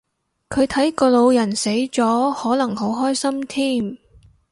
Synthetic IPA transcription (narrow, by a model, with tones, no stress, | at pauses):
kʰɵ˨˧ɥt̪ʰɐ˨˥jkɔː˧lo˨˧wjɐ˨˩nse˨˥jt͡sɔː˨˥hɔː˨˥lɐ˨˩ŋho˨˥wɦɔː˥jsɐ˥mt̪ʰiː˥˩m